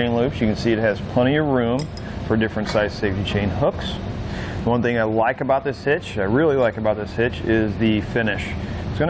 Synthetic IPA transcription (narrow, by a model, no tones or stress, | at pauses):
ẽɪ̃nluʉpsjɨkɨ̃n̩siɨt̚ɦɨz̥pʰl̥ɛ̃ɾ̃iʌvɹʉ̃ɱ | fə˞dɪfɹɨ̃ntsaɪ̥seɪftit͡ʃʰẽɪ̃nɦʊks | wʌ̃nθɪ̃ŋaɪlaɪkɨbaʊt̪̚ðɪshɪt͡ʃaɪɹɪlˠilaɪkɨbaʊt̪̚ðɪshɪt͡ʃɪzðɨfɪnɪʃɨtsɡ̥ʌ̃n